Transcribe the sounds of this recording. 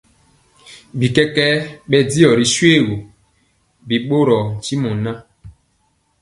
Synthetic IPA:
bi˨kɛ˦kɛ˦ɓɛ˦di˦ɔ˨ɾi˨swe˦˨wu˨ | bi˨ɓo˦ɾɔ˨t͡ʃi˦mɔ˨nã˦

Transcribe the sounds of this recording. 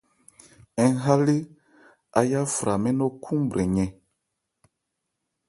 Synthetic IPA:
ɛ˨˦ɦa˦le˦ | a˨ja˦fɾa˨mɛ̃˦nɔ˦kʰũ˦mbɾɛ˨ɲɛ̃˨

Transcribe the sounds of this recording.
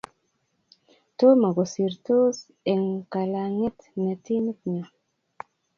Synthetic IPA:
to˦ma˨ɡo˨si˨ɾto˦s | e˨ŋka˨la˨ŋe˦t̪ne˨t̪i˦ni˦t̚ɲa˨

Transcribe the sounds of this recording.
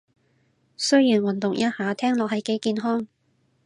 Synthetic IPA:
sɵ˥ɥjiː˨˩nwɐ˨˩nt̪ʊ˨ŋjɐ˥haː˨˧t̪ʰɛː˥ŋlɔː˨k̚hɐ˨jke˧˥jkiː˧nɦɔː˥ŋ

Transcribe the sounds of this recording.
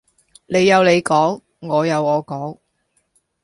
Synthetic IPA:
le˨˧jːɐ˨˧wle˨˧jkɔː˨˥ŋː | ɔː˨˧jɐ˨˧wɔː˨˧kɔː˨˥ŋ

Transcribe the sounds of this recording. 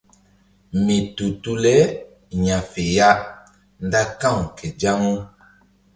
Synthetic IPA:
mi˨tu˨tu˦lɛ˦ | ɲa˨fe˨ja˦ | n˦da˦kã˦˨ŋ˨kɛ˨d͡ʒa˦ŋu˦

